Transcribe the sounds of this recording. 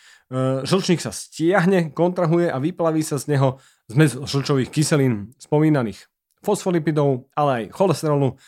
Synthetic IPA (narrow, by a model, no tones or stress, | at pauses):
ʒl̩t͡ʃɲiːksascɪaɦɲɛkɔnt̪ɾaɦujɛʔaʋiplaʋiːsazɲɛɦɔ | zmɛzʒl̩t͡ʃɔʋiːxkisɛliːnspɔmiːnaniːx | fɔsfɔlipid̪ɔʊalɛajxɔlɛst̪ɛɾɔlu